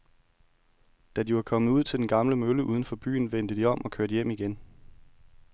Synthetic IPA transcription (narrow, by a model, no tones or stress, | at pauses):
d̥æd̥iʋɑ̈kʰɒ̽mð̩ˠuð̰ˠt͡sʰe̝ld̥enɡ̥ɑ̈mləmøləʔuːð̞ˠən̩fɒ̽b̥y̰ːn̩ʋen̰d̥əd̥iɒ̽m̰ɒ̽kʰøɐɾəjem̰iɡ̥en